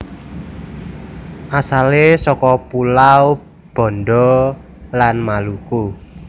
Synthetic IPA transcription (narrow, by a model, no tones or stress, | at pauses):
ʔasalesɔkɔpulaw | b̥ɔ̤nɖɔ | lanmaluku